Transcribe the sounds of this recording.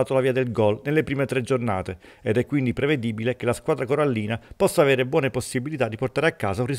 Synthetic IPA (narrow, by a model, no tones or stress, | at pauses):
aːt̪olaviːad̪elɡɔlnelːepɾiːmet̪ɾed͡ʒorna̰ːt̪e | ed̪ɛkːwind̪ipɾeved̪iːbilekelaskwaːd̪ɾakoɾalːiːnapɔsːaːveːɾebwɔːneposːibilit̪ad̪ːiport̪aːɾeakːaːzaunri